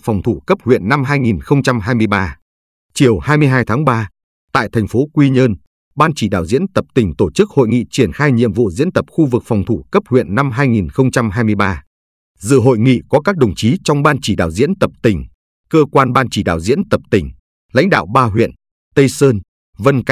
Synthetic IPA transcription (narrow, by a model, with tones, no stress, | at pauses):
fɔ˨˩wŋ͡mt̪ʰu˧˩kə˦˥p̚hwḭ˧˨ənːa˧mɦaː˧jŋi˨˩nxə˧wŋ͡mt͡ɕa˧mɦaː˧jmɨ˧əjɓaː˧ | t͡ɕi˨˩əwhaː˧jmɨ˧əjɦaː˧jt̪ʰaː˨˦ŋɓaː˧ | t̪a̰ː˧˨jt̪ʰɛ˨˩ŋ̟fo˨˦kwi˧ɲəː˧n | ɓaː˧nt͡ɕi˧˩ɗa̰ː˧˩wzḭ˧˥ənt̪ə˨˩p̚t̪ï˨˩ŋ̟t̪o˧˩t͡ɕɨ˦˥k̚ho̰˧˨jŋḭ˧˨t͡ɕi˧˩ənxaː˧jɲḭ˧˨əmvṵ˧˨zḭ˧˥ənt̪ə˨˩p̚xu˧vɨ˨˩k̚fɔ˨˩wŋ͡mt̪ʰu˧˩kə˦˥p̚hwḭ˧˨ənːa˧mɦaː˧jŋi˨˩nxə˧wŋ͡mt͡ɕa˧mɦaː˧jmɨ˧əjɓaː˧ | zɨ̰˧˨ɦo̰˧˨jŋḭ˧˨kɔ˨˦kaː˦˥k̚ɗə˨˩wŋ͡mt͡ɕi˨˦t͡ɕɔ˧wŋ͡mɓaː˧nt͡ɕi˧˩ɗa̰ː˧˨˩wzḭ˧˥ənt̪ə˨˩p̚t̪ï˧˩ŋ̟ | kəː˧kwaː˧nɓaː˧nt͡ɕi˧˩ɗa̰ː˧˨wzḭ˧˥ənt̪ə˨˩p̚t̪ï˧˩ŋ̟ | la̰˧˥jŋ̟ɗa̰ː˧˨wɓaː˧ɦwḭ˧˨ən | t̪ə˧jsəː˧n | və˧nk